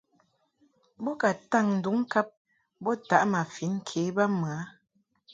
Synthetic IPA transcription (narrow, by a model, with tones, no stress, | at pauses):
bɔ˦ka˨ta˦˨ŋn̩˨du˨˦ŋ˦ka˦p̚ | bɔ˦ta˨ʔma˨fi˨˦n̩˦kʰe˨˦ba˦mɰa˨˦